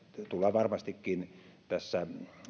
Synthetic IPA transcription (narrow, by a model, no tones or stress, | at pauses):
t̪ulːˑɑʋɑrmɑst̪ikːint̪æsːæ